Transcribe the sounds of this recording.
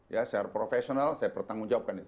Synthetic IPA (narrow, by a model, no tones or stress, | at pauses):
jasarpɾofesionalsajapərt̪aŋuŋd͡ʒawap̚kanit̪